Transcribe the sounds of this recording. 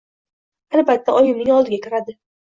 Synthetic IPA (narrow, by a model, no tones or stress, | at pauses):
albat̪ʰːaʔɒjʊmnɪŋɒlˠd̪ɪɡʲakʲʰɪɾad̪ɪ